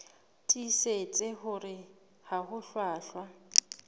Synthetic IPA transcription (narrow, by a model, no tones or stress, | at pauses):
tʼiset͡sʼɪɦʊrɪ | hahʊɬwaːɬwa